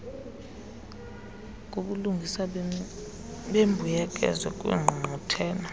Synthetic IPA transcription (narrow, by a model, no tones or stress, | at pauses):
kʼoɓuluŋɡʱisa | ɓembʱujɛkʼɛ̰zwɛkʼwḭːŋ͡ǃʱutʰɛːnɔ